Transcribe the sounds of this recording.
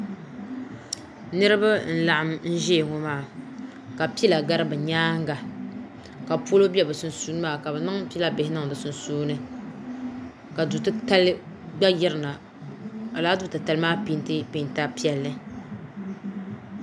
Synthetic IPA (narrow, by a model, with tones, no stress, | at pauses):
nɨ˦ɾɨ˦ba˦n̩˦la˨ʔa˦mn̩˦ʒɛ˦˨ŋo˦maː˦˨ | ka˨pi˦la˨ɡa˦ɾɨ˦bɨ˨ɲaː˦ŋ˦ɡa˨ | ka˨po˦lo˦bɛ˦bɨ˨sʊ˨nsuː˦nɨ˦maː˦˨ka˨bɛ˨nɨ˦ŋpi˦la˦bɪ˨hɪ˦nɨ˦ŋ˨dɨ˨sʊ˦nsuː˦nɨ˦ | ka˨du˨tɨ˦ta˦l | ɡ͡ba˦jɪ˦ɾɨ˨na˨ | a˨laː˦du˦tɨ˨ta˨lɨ˦maː˦pi˦ntɨ˦pi˨˦˨nta˦pi˦ɛ˨lːɨ˦